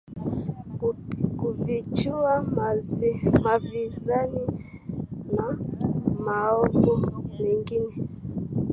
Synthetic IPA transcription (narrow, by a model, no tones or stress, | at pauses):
kuvit͡ʃua | mavizani | namaɔvɔmɛŋɡinɛ